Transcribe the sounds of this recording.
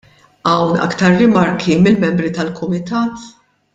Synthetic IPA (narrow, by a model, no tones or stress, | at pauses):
ɐwnɐ̰kt̪ɐɾːɪmɐɾkimɪlmɛmbɾit̪ɐlkʊmɪt̪ɐːt̪